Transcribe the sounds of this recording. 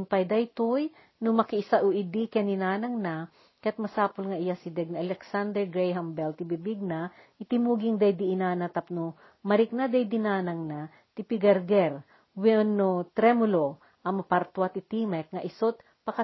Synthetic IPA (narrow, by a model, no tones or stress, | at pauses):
mpɐjd̪ɐjt̪oj | nʊmɐkɪʔɪsaʔʊʔɪd̪ikɛnɪnaːnɐŋna | kɐjat̪̚mɐsaːpolŋɐʔɪjasɪd̪ɛɡ̚naʔɐlɛksand̪ɛɹɡɾɛjɦɐmbɛlt̪ɪbibiɡ̚naʔɪt̪ɪmuːɡɪŋd̪ɐjd̪ɪʔɪnaːnɐt̪ɐp̚nʊ | mɐɾɪk̚nad̪ajd̪ɪnaːnɐŋna | t̪ɪpɪɡɐɾɡɛɾ | wɛnːot̪ɾɛmʊlo | ʔɐmɐpaɾt̪wat̪ɪt̪imɛk̚ŋɐʔɪsot̪̚ | pɐkɐ